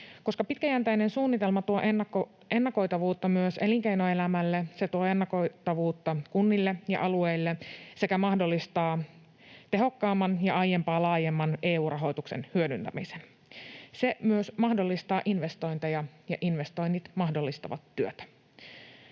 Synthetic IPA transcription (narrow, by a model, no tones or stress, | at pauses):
ko̞skɑpit̪kæjænt̪æjne̞nsuːnːit̪e̞lmɑt̪uoʔ | e̞nːɑko̞jt̪ɑʋuːt̪ːɑmyøseliŋkejnoelæmælːese̞t̪uoenːɑkot̪ɑʋuːt̪ːɑkunːilːejɑ̰ʔɑlue̞jlːese̞kæmɑhdo̞lːist̪ɑː | t̪e̞ɦo̞kːɑːmːɑnjɑɑjempɑːlɑːjemːɑne̞ːuːrɑɦo̞jt̪ukse̞̰nhyødynt̪æ̰misen | se̞myøsmɑhdo̞lːist̪ɑːʔinʋe̞st̪o̞jnt̪ɑjɑjɑ̰ʔinʋe̞st̪o̞jnːit̪mɑhdolːist̪ɑ̰ʋɑ̰t̪ːyøt̪æ̥